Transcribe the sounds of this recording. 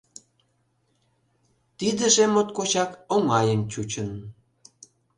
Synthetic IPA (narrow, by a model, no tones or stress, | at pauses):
t̪id̪ə̆ʒemot̪̚kot͡ɕɑkoŋɑjənt͡ɕut͡ɕən